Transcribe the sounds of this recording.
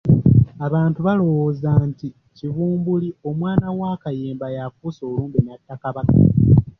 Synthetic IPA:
aβaːntuβalo̞woːzaːnti | civuːmbulio̞mwaːnawakajeːmbajafuso̞ːluːmbinatːakaβaka̰

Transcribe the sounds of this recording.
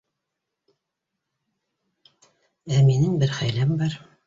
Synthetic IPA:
æminɘŋbɘɾχæjlæmbɑɾ

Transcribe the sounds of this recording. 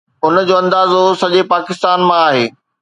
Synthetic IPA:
ʊnəd͡ʑoːɐ̃nd̪aːzosɐʄepaːkɪst̪aːnmãaːɦeː

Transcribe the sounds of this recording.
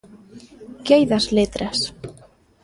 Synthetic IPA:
ceːjðaslɪːt̪ɾɛs

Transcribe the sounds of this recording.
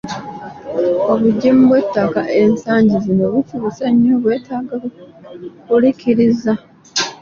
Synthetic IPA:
o̞βuɟːemuβwe̞tːakaʔe̞nsaːɲɟizino̞βufuβuseɲːoβwe̞ːtʰaːɡa | βulikiɾiza

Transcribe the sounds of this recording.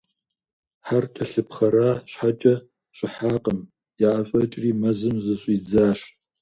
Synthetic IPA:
ħartʰɐɬɨpχɐɾaːɕħat͡ʃʼɐ | ɕʷʼɪħaːqʼəm | jaʔafʼɐt͡ʃʼriːmɐzɨmzɐɕʷʼiːd͡zaːɕ

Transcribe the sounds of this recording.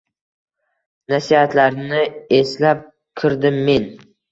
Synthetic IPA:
nasihat̪laɾnɪe̞slap̚ | kʲʰɪɾd̪ɪmːe̞n

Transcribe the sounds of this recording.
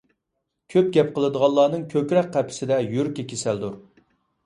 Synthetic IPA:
kʲʰøp̚ɡʲɛp̚qʰəlˠɨd̪əʁɑlˠːɑːnɨŋkʲʰøkʲɾɛkqʰːæpʰɪ̥sɪd̪ɛjyɾkʲɛkʲʰesæld̪uɾ

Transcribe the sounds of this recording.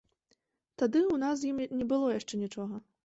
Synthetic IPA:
t̪ad̪ɨuwnas̬jimnʲɛbɨlˠɔjaʂt͡ʂɛnʲit͡ʂɔɣɐ

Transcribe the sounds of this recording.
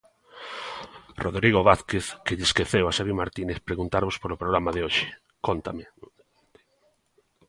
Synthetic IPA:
roðɾiɣ̞oβaθkeθkeʎɪskeθewasaβimaɾt̪ineθpɾeɣunt̪aɾβospoɾopɾoɣɾamaðeoʃɪ̥ | kont̪amɪ

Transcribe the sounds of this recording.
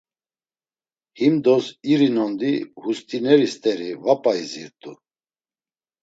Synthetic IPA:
himd̪ɔsiɾinɔnd̪ihust̪ʼinɛɾist̪ʼɛɾivapʼaiziɾt̪ʼu

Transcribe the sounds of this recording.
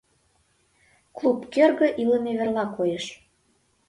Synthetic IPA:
klˠupkørɣə̆ʔiləmeβĕrlɑkojeʃ

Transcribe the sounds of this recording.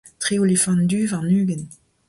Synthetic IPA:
tχeolefɑ̃nd̪yvaʁnyːɡən

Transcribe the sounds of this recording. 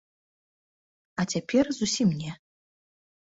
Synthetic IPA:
atʲʰapʰʲerzusʲimnʲe

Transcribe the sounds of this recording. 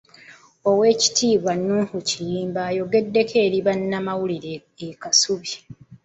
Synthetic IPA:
o̞we̞ːci̥tʰiːβwanːuːhucijiːmbaːjo̞ɡe̞dːe̞kʰe̞ːɾiβanːamawuliɾe | ekasuβi

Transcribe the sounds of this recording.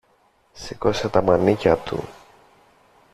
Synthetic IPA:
sikoset̪ɐmɐnicɐt̪ṵ

